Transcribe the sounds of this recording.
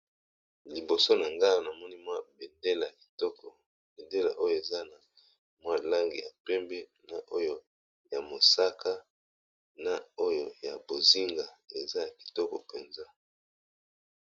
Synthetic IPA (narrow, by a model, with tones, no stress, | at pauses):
li˨bo˨so˦na˨ŋɡa˦˨na˨mɔ˦ni˦mwa˦be˨nde˦la˨ki˨tɔ˦kʰɔ˨ | be˨nde˦la̰˨ʔo˦jo˨e˨za˦na˨ | mwa˦la˦ŋɡḭ˨ja̰˨pɛ˦mbɛ˦na˨ʔo˦jo˦ | ja˨mo˨sa˦kʰa˦ | na˨o˦jo˦˨ja˨bo˨zi˦ŋɡa˨e˨za˦ja˨ki̥˨tɔ˦kɔ˨pe˨nza˦